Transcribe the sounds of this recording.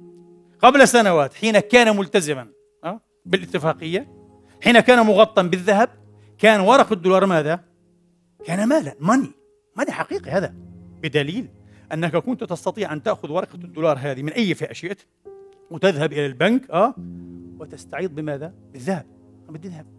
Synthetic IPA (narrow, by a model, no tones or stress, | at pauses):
qablasanawaːt̪ħiːnakaːnamʊlt̪azɪman | ʔaː | bɪlʔɪt̪ːɪfɑːqɪjːa | ħiːnakaːnamʊɣɑt̪ˤːɑmbɪðːaɦab̚ | kaːnwɑɾˤɑqad̪ːʊːlɑːɾˤmaːða | kaːnamaːlamani | maniħɑqiːqihaːðabɪd̪aliːl | ʔanːakʔakʊnt̪t̪ɑst̪ɑt̪ˤiːʕʔant̪aʔxʊðwɑɾˤɑqɑ̥d̪ːʊːlɑːɾˤɦaːðimɪnʔajːfiːʔaʃjaʔt̪ | wt̪ɪðhabʔɪlalbankʔaːwɪt̪ɪst̪aʕiːd̪̚ˤbɪmaːðabɪðːahab̚ | abɪd̪ɪðhab̚